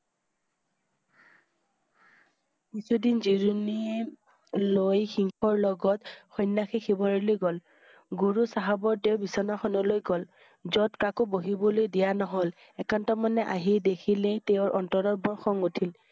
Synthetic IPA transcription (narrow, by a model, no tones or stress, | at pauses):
kisʰudinziɹuni | lojxiŋkʰɔɹlɔɡɔtxɔjnːaxixʰibɔɹilojɡɔl | ɡuɹusaɦabɔɹteʊbisɔnaxɔnɔlojɡɔl | zɔtkakɔboɦibɔlojdijanɔɦol | ɛkantɔmanɛʔa̰ɦidekʰileteʊ̃ɹʔɔntɔɾɔbɔɹxɔŋutʰil